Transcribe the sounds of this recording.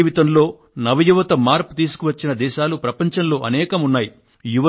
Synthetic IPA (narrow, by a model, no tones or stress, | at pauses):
ʋit̪ɐmlo̞ː | nɐʋɐjuʋɐt̪ɐmaːɾpu̥t̪iːsu̥kuʋɐt͡ʃːinɐd̪ɛːʃaːlupɾɐpɐɲt͡ʃɐmlo̞ːʔɐnɛːkɐmunːaːji | juʋɐ